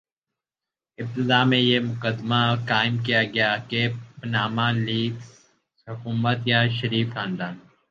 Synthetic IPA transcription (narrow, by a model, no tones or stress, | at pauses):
ɪb̚t̪ɪd̪aːmẽjemʊkəd̪makaːɪmk̬ijaɡɐjakepnaːmaliːk | hʊkuːmət̪jaʃɐɾiːflãːnɖaːn